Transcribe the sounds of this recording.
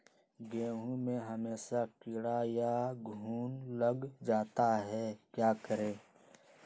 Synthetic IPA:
ɡẽːɦũmẽɦəmeːʃakɪɽajaɡʱuːnləɡd͡ʒaːt̪aɦɛkjaːkəɾẽː

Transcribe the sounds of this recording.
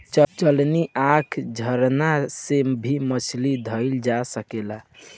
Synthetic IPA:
t͡ʃəlniʔakʰd͡ʒʱəɾnasebʱimət͡ʃʰlid̪ʱəɪld͡ʒasəkela

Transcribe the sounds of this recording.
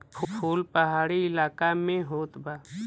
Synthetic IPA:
pʰpʰoːlpəɦaːɽiɪlaːkamẽɦoːt̪baː

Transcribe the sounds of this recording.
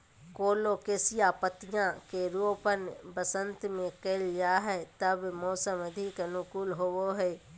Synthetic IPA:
koːlokesijapət̪ɪjãkeɾuːpənbəsə̃nt̪mẽkeld͡ʒaːɦɛt̪əbmoːsəməd̪ʱɪknʊkuːlɦowoɦɛ

